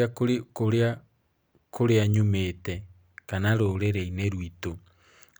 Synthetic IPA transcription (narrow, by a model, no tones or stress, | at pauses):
koɾa | koɾeaɲumetɛ | kanaɾoɾeɾeineɾwito